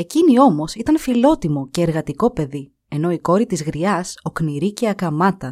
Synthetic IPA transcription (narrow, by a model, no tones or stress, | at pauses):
e̞cinio̞mo̞sit̪ɐnfilo̞t̪imo̞ce̞ːɾɣɐt̪iko̞pe̞ði | e̞no̞iko̞ɾit̪izɣɾiɐso̞kniɾice̞ɐkɐmɐt̪ɐ